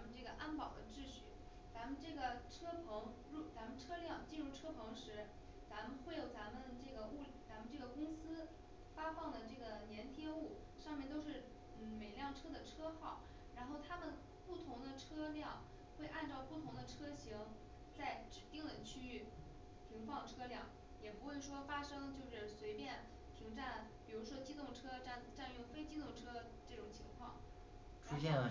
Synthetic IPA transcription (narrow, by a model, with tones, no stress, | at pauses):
t͡sa˧˥mə˧nʈ͡ʂɤ˥˩ɡə˩ʔa˥npɑ˨˩ʊd̪ə˦ʈ͡ʂɻ̩˥˧ɕy̰˥˩ | t͡sa˧˥mə˧nʈ͡ʂɤ˥˩ɡə˩ʈ͡ʂʰɤ˥pʰɤ˧˥ŋ | ɻu˥˩t͡sa˧˥mə˨nʈ͡ʂʰɤ˥ljɑ˥˧ŋt͡ɕi˥˧nɻu˥˩ʈ͡ʂʰɤ˥pʰɤ˧˥ŋʂɻ̩˧˥ | t͡sa˧˥mə˧nxwe˥˩ɪjo˨˩ʊt͡sa˧˥mə˨˧nʈ͡ʂɤ˥˩ɡə˩u˥˩lt͡sa˧˥mə˧nʈ͡ʂɤ˥˩ɡə˩kʊ˥ŋsɹ̩˥ | fa˥fɑ˥˩ŋd̪ə˩ʈ͡ʂɤ˥˩ɡə˩njɛ˧˥nt̪ʰjɛ˥u˥˩ | ʂɑ˥˧ŋmjnt̪o˥ʊʂ̬ɻ̩˥˧˩ | n̩˥˩me˨˩ɪljɑ˥˩ŋʈ͡ʂʰɤ˥d̪ə˨ʈ͡ʂʰɤ˥xɑ˥˩ʊ | ɻa˧˥nxo˥˩ʊt̪ʰa˥mə˨n | pu˥˩t̪ʰʊ˧˥ŋd̪ə˧ʈ͡ʂʰɤ˥ljɑ˥˩ŋ | xwe˥˧ɪʔa˥˧nʈ͡ʂɑ˥˧ʊpu˥˩t̪ʰʊ˧˥ŋd̪ə˧ʈ͡ʂʰɤ˥ɕi˧˥ŋ | t͡sa˥˩ɪʈ͡ʂɻ̩˨˩t̪i˥˩ŋlə˩t͡ɕʰy˥y˥˩ | p̪ʰi˧˥ŋfɑ˥˩ŋʈ͡ʂʰɤ˥ljɑ˥˩ŋ | jɛ˨˩pu˧˥xwe˥˩ɪʂwɔ˥fa˥ʂɤ˥ŋt͡ɕjo˥˧ʊʂɻ̩˥˩swe˧˥ɪpjɛ˥˩n | t̪ʰi˧˥ŋʈ͡ʂa˥˩n | pi˨˩ɻu˧˥ʂwɔ˥t͡ɕi˥t̪ʊ˥˩ŋʈ͡ʂʰɤ˥˧nʈ͡ʂa˥˧nɥŋfe˥ɪt͡ɕi˥t̪ʊ˥˩ŋʈ͡ʂʰɤ˥ | ʈ͡ʂɤ˥˩ʈ͡ʂʊ˨˩ŋt͡ɕʰi˧˥ŋkʰwɑ̰˥˩ŋ | ʈ͡ʂʰu˥ɕjɛ˥˩n